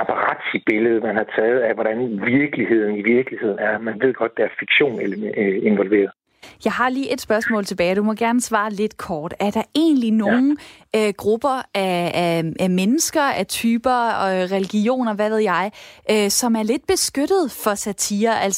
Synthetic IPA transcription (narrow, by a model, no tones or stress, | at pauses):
ɑpʰɑʁɑ̰̈d̥ib̥e̝ləð̞̩ˠmænhɑ̈t͡sʰɛːð̩ˠæʋɒɾænʋiɐɡ̥əlihe̝ð̰ˠn̩iʋiɐɡ̥əlihe̝ð̞̰ˠn̩æɐmænʋe̝ð̞̰ˠɡ̥ɒ̽d̥̚ːeæɐfiɡ̥ɕo̝̰ːnelɐe̝nʋɒlʋe̝̰ːɐðˠ | jɑ̈ɪɦɑ̈liːʔe̝d̥sb̥ɶɐsmɔ̰̽ːlt͡sʰe̝b̥ɛːɪd̥umɒ̽ɡ̥æɐnəsʋɑ̈ːle̝d̥kʰɒːd̥æɐd̥ɑ̈e̝̰ːnlino̝ːn̩ | øɡ̥ʁub̥ɐæ | ʔæmenəsɡ̥ɐæt͡sʰyːb̥ɐʁɛliɡ̥io̝̰ːnɐʋæʋe̝ð̞ˠjɑ̈ɪʔøsɒ̽mæɐle̝d̥̚b̥e̝sɡ̥øɾ̥ð̞̩ˠfɒ̽sæt͡sʰiːɐʔæl̰s